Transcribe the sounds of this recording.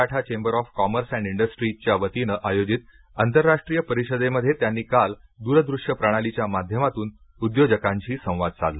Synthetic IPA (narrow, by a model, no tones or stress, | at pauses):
aʈʰat͡ɕembəɾɔfkɔməɾsæ̃ɳɖiɳɖəsʈɾit͡ɕjaʋət̪inəʔajod͡ʑit̪ | ant̪əɾːaʂʈɾijəpəɾiɕəd̪eməd̪ʱːjet̪janːiːkald̪uɾəd̪ɾuʂjəpɾaɽ̃alit͡ɕjamad̪ʱjəmat̪uːn | ud̪jod͡ʑəkãɲt͡ɕiːsə̃w̃ʋad̪̚t͡sa̰lli